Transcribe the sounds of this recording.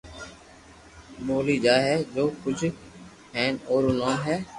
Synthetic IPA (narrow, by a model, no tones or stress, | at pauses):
ɓoːliːd͡ʒaːɦɛːd͡ʒoːkʊd͡ʒʱ | ɦɛ̃ːnoːɾoːnãːɦɛː